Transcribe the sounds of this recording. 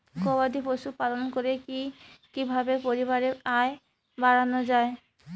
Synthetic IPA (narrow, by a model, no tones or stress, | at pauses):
kobad̪ipoʃupalonkoɾekikibʱabeɾpoɾiβaɾeae | baɾanod͡ʑae